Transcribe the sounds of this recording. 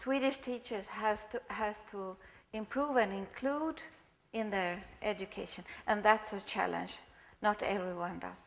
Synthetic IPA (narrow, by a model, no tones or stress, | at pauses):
swiɾɪʃtʰit͡ʃə˞z̥æz̥thæz̥tʰuɪ̃mpʰɹ̥uvɨ̃nɪ̃nkʰl̥ud | ɪ̃nðə˞ʔɛd͡ʒɨkʰeɪʃɨ̃nʔɨ̃nðætsət͡ʃʰæ̰lə̰̃nd͡ʒnəɾɛvɹiwʌ̃ndʌ̰z̥